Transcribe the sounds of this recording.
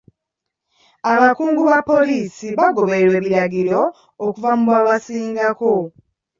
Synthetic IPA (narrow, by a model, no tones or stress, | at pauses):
aβakuːŋɡuβapːo̞liːsiβaɡo̞βe̞ɾwe̞ːβiɾaɡiɾo̞ː | kuvamuβwaːβasiːŋɡako̞